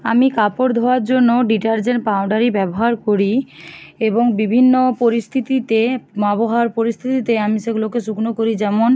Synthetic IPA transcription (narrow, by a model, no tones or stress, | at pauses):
amikapoɾd̪ʱɔaɾd͡ʑonːoɖiʈaɾd͡ʑeɳʈpawɳɖaɾibɛboɦaɾkoɾi | eboŋbibʱinːopoɾist̪ʰit̪it̪emaboɦaaɾpoɾist̪ʰit̪it̪eamiʃeɡulokeʃuknokoɾid͡ʑɛmon